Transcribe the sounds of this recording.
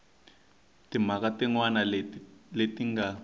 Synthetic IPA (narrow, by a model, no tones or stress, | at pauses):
timakatiŋwanaletiŋɡa